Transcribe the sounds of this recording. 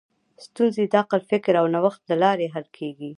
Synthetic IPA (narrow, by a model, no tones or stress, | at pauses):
st̪unzid̪ɑqalfɪkɾawnawaxt̪̚ləlɑɾeɦalkʰeɡi